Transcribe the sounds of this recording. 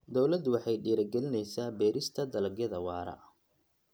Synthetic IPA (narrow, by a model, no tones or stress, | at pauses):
d̪ɔwlɐd̪wɑħɑjɖiːɾɐɡɛlɪnɛjsaːbɛːɾɪst̪ʰɐd̪ɐlɐɡjɐðɐwɑːɾɐ̰ʔ